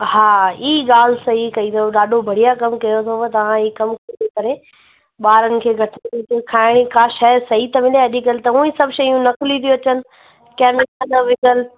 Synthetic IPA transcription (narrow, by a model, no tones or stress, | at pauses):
haːiːɠaːlsɐɦikɐĩd̪oɗaːɖʱobʱɐɽijakɐmkɐjot̪ʰot̪ɐʋ̤ãiːkɐmkɐĩd̪ekɐɾe | ɓaːɾənɪ̆kʰeːɡʱɐʈʰɪt̪it̪ikʰaːɪɽ̃ikaːʃɛɾsɐɦit̪ɐmɪleɐʄikɐlɪt̪ɐũːĩsɐbʃɐijũnɐklĩt̪ʰijuɐt͡ɕənɪ̆ | kɛːmɪkad̪ɐʋɪɡəl